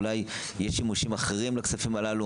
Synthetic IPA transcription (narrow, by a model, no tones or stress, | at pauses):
laj | jeʃimuʃimaχeʁimlaksafimalalu